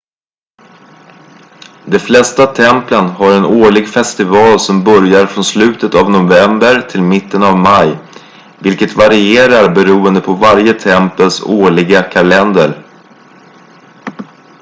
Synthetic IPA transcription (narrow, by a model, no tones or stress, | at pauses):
d̪ɛflɛst̪at̪ʰɛmplənhaɾɛnoːɭɪɡfɛst̪ɪvɑːlsɔmbœɾjaɾfɾɔnslʉ̟ːt̪ət̪avnʊvɛmbəɾt̪ʰɪlmɪt̪ːənavmaj | vɪlkət̪vaɾɪeːɾaɾbɛɾuːənd̪əpʰɔvaɾjət̪ʰɛmpəlsoːɭɪɡakʰalɛnd̪əɾ